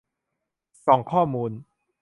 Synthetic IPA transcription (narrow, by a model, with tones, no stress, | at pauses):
sɔ˨˩˦ŋkʰɔː˥˩muː˧n